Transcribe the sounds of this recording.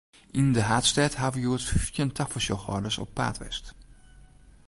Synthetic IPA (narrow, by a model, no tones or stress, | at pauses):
ʔindəɦaːtstɛthavəjuətjəntʰafəsjɔxɔ̰rdəsɔ̰pːa̰ːtʋɛ̰st